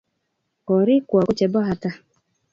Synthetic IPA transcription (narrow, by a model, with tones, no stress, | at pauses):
ɔ˨ɾi˦kwa˨kʊ˦t͡ʃɛ˨bɔ˦ɦa˨ta˦